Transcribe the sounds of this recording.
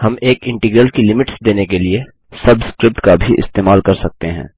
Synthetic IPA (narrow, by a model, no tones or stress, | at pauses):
hɐmeːkɪ̃ɳʈɪːɡɾəlkilɪmɪʈsd̪eːnekelie | sɐbskɾɪp̚ʈkabʱiʔɪ̰st̪eːmaːlkɐɾsɐk̚t̪eɦɛ̰̃ː